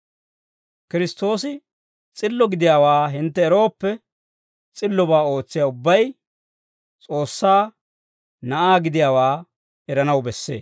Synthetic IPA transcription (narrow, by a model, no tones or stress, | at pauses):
kɪɾɪst̪o̞ːsɪ | t͡sʼɪlːɔɡɪd̪ɪjaːwaːɦɪnt̪ːɛːɾo̞ːpːɛ | t͡sʼɪlːɔbaːo̞ːt͡sːɪjaʊbːɐj | t͡sʼo̞ːsːaː | nɐʔaːɡɪd̪ɪjaːwaː | ɛɾɐnɐwbɛsːḛː